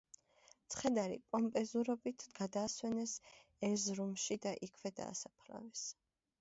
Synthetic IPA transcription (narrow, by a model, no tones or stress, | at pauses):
t̪sʰχɛd̪aɾḭkʼɔmpʼɛzuɾɔbit̪ʰɡ̥ad̪aːswɛnɛs | ɛɾzɾumʃid̪aʔikʰvɛd̪a̰ːsapʰla̰vɛs